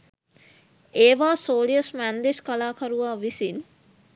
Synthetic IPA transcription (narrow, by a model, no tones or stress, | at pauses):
eːʋaːsoːliosmænd̪eskalaːkʰɐɾuʋaːʋisin